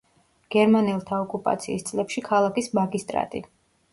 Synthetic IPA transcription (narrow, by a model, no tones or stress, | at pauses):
ɡ̥ɛɾmanɛlˠt̪ʰaɔkʼupʼa̰t̪sʰḭːst̪sʼlɛpʃikʰalˠakʼismaɡist̪ʼɾa̰t̪ʼḭ